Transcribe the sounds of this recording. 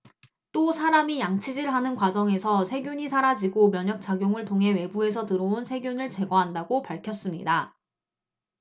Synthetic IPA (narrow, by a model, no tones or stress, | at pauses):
t͈osʰaɾamijaŋt͡ɕʰid͡ʑiɭɦanɯnkwad͡ʑʌŋe̞sʰʌsʰe̞ɡjuɲisʰaɾad͡ʑiɡomjʌɲʌk̚t͡ɕ͈aɡjoŋɯɭtʰoŋɦe̞we̞bue̞sʰʌtɯɾounsʰe̞ɡjunɯɭt͡ɕe̞ɡwaɦandaɡopaɭkʰjʌs͈ɯmɲḭda